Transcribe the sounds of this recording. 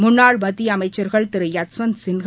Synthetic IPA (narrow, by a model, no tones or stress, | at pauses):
mʊnːaːɭmɐd̪iɐmɐɪt͡ʃːɐɾɣɐɭt̪ɪɾɯjɐsʋɐnsɪnɣ